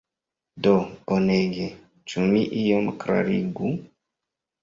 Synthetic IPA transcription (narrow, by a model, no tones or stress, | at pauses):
dooneɡe | t͡ʃumiʔijomkɾa̰ɾiɡu